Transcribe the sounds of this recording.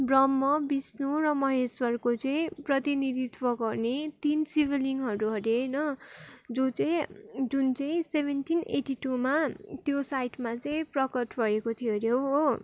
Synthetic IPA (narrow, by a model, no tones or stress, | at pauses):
brʌmːʌbisnoɾʌmʌɦeswʌrkot͡sʌĩprʌt̪inid̪it̪ʰwʌɡʌrnet̪insibʱeliŋɦʌɾuɦʌɾenʌd͡zot͡sʌĩd͡zunt͡sʌĩsebʱenʈʰinʔḛʈiʈumat̪josajʈʰmat͡sʌĩprʌkʌʈbʌekot̪ʰijeɾjoɦo